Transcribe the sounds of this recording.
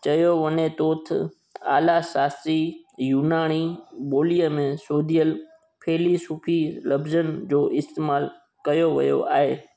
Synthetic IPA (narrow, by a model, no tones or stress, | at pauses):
t͡ɕɐjoʋənet̪oːt̪ʰ | aːlasaːst̪ijuːnaːɽ̃iɓoːlijəmẽsoːd̪ʱijəl | pʰeːlisuːpʰilɐbzənd͡ʑoːʔɪst̪eːmaːl | kɐjoʋɐ̰jo̰ʔaːɦeː